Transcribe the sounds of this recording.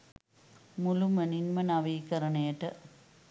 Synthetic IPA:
mulumɐninmɐnɐʋiːkɐɾɐɳeːʈːɐ

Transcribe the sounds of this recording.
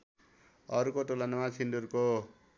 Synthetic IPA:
ʌɾukoʈolanʌmakʰindurko

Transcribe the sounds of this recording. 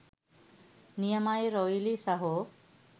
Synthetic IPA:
nijəmajɾoilisaɦo

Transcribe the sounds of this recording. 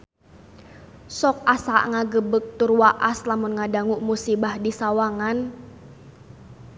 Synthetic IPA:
sɔk̚asaʔŋaɡəbək̚t̪urwaʔaslamunŋadaŋuʔmusibahdisawaŋan

